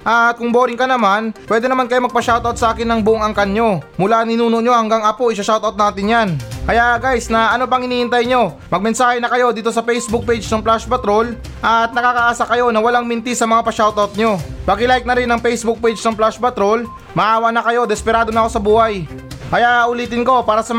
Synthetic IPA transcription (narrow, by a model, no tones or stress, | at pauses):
ʔɐt̪̚kʊŋboːɾɪŋkɐnɐmanpwɛːd̪ɛnɐmankɐjo̞mɐɡ̚pɐʃawt̪at̪sɐʔaːkɪnːɐŋbʊʔoŋɐŋkanɲo̞mʊlanɪnuːnoʔɲo̞hɐŋɡaŋɐpoʔɪsɐʃawt̪ɐwt̪̚naːt̪ɪnjankɐjaʔɡajsnɐɐno̞p̬ɐŋhɪniːɪnt̪ajɲo̞ | mɐɡ̚mɛnsaːhɛnɐkɐjo̞d̪iːt̪o̞sɐpɛjsbʊk̚pejd͡ʒnɐŋplaʃpɐt̪ɾo̞l | ʔɐt̪̚nɐkaːkɐʔaːsɐkɐjo̞nɐwɐlaŋmɪnt̪isːɐmɐŋapɐʃawt̪ʔɐt̪̚ɲo̞bɐɡɪlajk̚nɐɾɪnːɐŋpɛjsbʊk̚pejd͡ʒnɐŋplaʃpɐt̪ɾo̞l | mɐʔaːwɐʔnɐkɐjo̞d̪ɛspɛɾaːd̪o̞nɐko̞sɐbuːhajkɐjaʔʔʊliːt̪ɪnko̞paːɾɐsɐm